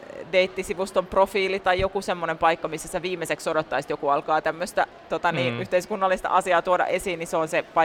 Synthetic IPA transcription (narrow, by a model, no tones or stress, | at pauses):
deit̪ːisiʋust̪omprofiːlit̪ɑjjokusemːonempɑikːɑmisːæsi̥eʋiːmːeseksodot̪ːɑisit̪jokuɑlkɑːt̪æmːøst̪æ | t̪ot̪ɑniːyht̪eiskunːɑlːist̪ɑ̰ʔɑsiɑːt̪uodɑ̰ʔesiːnniseonsepɑ